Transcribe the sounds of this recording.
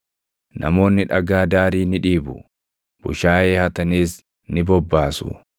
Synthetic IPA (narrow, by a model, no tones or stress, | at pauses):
nɐ̰mo̞ːnːɪᶑɐɡaːd̪aːɾiːnɪᶑiːbʊ | b̥ʊ̰ʃaːʔeːhɐt̪ɐniːs | nɪbɔbːaːsʊ̰